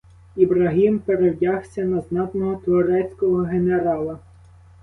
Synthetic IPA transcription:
ibɾɐɦimpeɾewdʲaxsʲɐnɐznɑt̪nɔɦɔt̪ʋɔɾɛt͡sʲkɔɦɔɦeneɾɑlˠɐ

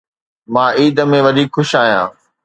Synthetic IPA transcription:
mãːiːd̪əmẽʋɐd̪ʱiːkxʰʊʃaːɦijã̰ː

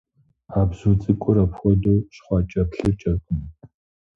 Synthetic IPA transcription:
aːbzuːt͡sʼɨkʷʼʊɾɐpxʷɔdoːɕχʷɑːt͡ʃʼɐpɬɨrt͡ʃʼɐrkʼʊmɨ

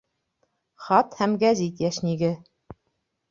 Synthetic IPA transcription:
χɑt̪hæmɡæzit̪jæʃniɡɘ

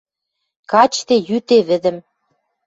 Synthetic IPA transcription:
kɑt͡ɕt̪ejyt̪eβɘ̆d̪ə̆m

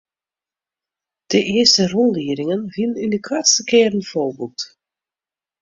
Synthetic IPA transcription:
d̥əʔɪəstərɔlliəɾɪŋənvilnindəkwatstəkɪːɾənfoːbut

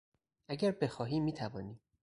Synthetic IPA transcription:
ʔæɟæɾbe̞xɒːɦiːmːiːt̪ʰævɒːniː

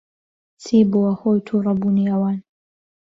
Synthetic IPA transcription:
t͡sʰiːbuwɐhoːjt̪ʰurɐbuːniɐwɑːn

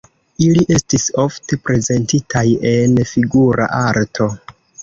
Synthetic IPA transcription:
iliʔe̞stiso̞fte̞pɾe̞ze̞ntitʰaje̞nfiɡuɾa̰ʔaɾtʰo̞

